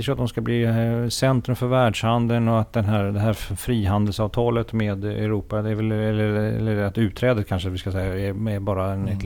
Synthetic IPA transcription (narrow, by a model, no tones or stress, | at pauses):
əʂɔat̪d̪ɔmskabliːsɛnt̪ɾɵmfœɾvæːɖʂhand̪ənɔat̪̚d̪ɛnɦæːɾd̪ɛɦæːɾfɾiːɦand̪əlsɑːvt̪ʰɑːlət̪meːd̪ɛ̰ɾuːpad̪ɛːɾvɛlɛlːəɾɛ̰lːəɾat̪ʉ̟ːt̪ʰːɾɛːd̪ət̪kʰanʂəat̪vɪskasɛjːaɛɛɾbɑːɾaɛnɛt̪